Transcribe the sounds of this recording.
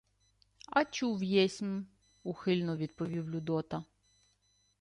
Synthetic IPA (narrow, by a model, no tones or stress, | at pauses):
ɐt͡ʃuwjɛsʲm | uxɪlʲnɔʋʲid̪pɔʋʲiwlʲud̪ɔt̪ɐ